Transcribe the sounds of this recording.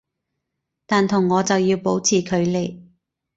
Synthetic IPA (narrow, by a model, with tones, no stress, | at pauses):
t̪aː˨nt̪ʰʊ˨˩ŋːɔː˨˧t͡sɐ˨wjiː˧wpo˨˥wt͡sʰiː˨˩kʰɵ˨˧ɥle˨˧j